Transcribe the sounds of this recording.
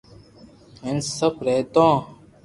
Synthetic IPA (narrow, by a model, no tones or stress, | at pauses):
ensəbɾeːt̪õː